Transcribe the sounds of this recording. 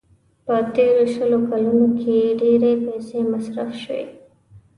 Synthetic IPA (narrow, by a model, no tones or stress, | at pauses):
pət̪eɾoʃəlokalunokʰeɖeɾepɛsemasɾafʃəwḛ